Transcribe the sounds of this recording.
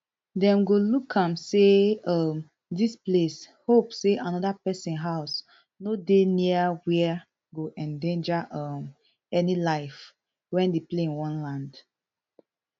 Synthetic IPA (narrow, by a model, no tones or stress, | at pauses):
dɛ̃mɡolukʰːãmseʌm | disples | hopseʔanɔdapɛsĩnɦaʊs | nodeniawɛ | ɡoʔɛ̃ndẽnd͡ʒaʔʌm | ɛnilaɪf | wɛ̃ndepleĩnwɔ̃nlãnd